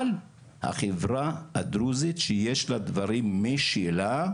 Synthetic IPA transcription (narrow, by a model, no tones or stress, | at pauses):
l | ha̰χevʁaad̪ɾuzit̪ʃejeʃlad̪vaʁimːeʃila